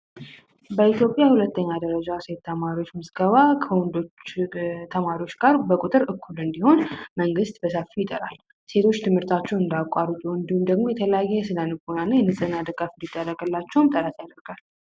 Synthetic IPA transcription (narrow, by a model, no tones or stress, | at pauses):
bəit̪jo̞pʼjahulət̪ːəɲːad̪əɾəd͡ʒase̞t̪ʰːəmaɾio̞t͡ʃːmɨsɡəβakʰəwɔnd̪o | t̪ʰəmaɾiwo̞t͡ʃːɡaɾbəkʼut̪ʼɨɾɨkʰːulɨnd̪iho̞nməŋɡɨst̪bəsəfːijɪt̪ʼəɾa̰l | se̞t̪ʰo̞t͡ʃːt̪ʰɨmhɨɾt̪ʰat͡ʃːɛwɨnd̪akʷʼaɾut̪ʼuɨnd̪ihumd̪əɡmo̞jɛt̪ʰələjajɛɛsɨd̪anɨɡonanːajɛnɨsʼɨnːad̪ɨɡafɨnd̪id̪ːərːəɡəlːat͡ʃːɛwmt̪ʼəɾat̪jad̪əɾɡ̥al